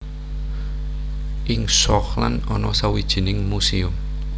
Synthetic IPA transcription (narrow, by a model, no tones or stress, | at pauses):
ʔɪŋsɔkla̰nɔnɔsawid̥ʒ̥i̤nɪŋmusiʊm